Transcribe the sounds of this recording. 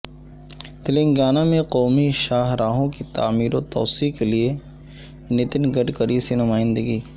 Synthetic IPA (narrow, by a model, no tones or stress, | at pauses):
t̪ɪlɪ̃ŋɡaːnamẽqɔːmiʃaːɦɾaːɦõkit̪aːmiːɾõt̪ɔ̰ːsikelie | nɪt̪ɪnɡɐɖkəɾisenʊmaːɪ̃nd̪əɡiː